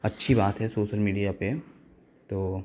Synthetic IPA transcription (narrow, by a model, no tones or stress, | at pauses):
ɐtːʃʰibaːt̪ɦɛsoːʃəlmiːɖijape | t̪oː